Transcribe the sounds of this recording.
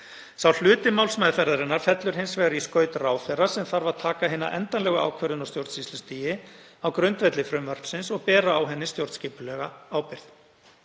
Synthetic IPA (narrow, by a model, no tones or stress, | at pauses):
sawl̥ʏːt̪ɪmawlsmɛːðfɛɾaɾɪnaɾ̥fɛt̪lʏɾ̥ɦejnsvɛːɣaɾiskœːɥt̪raːwfɛrasɛmθaɾvaðt̪ʰaːkaɦɪːnːa̰ʔɛ̰nt̪anlɛɣʏa̰ːwkʰvœɾðʏnɔwst̪jowɾt̪sist̪ʏst̪iːjɪ | awkɾœnt̪vɛt̪lɪfɾʏmvœɾ̥psɪnsɔɣpɛːɾaːwɦɛnːɪst̪jowɾt̪sciːpʏlɛɣaaːwpɪɾ̥θ